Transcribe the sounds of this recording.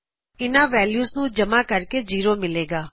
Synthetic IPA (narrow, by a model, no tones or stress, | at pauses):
ɪnãːʋɛːljuːsnũːd͡ʒəmaːkəɾked͡ʒiːɾoːmɪleːɡaː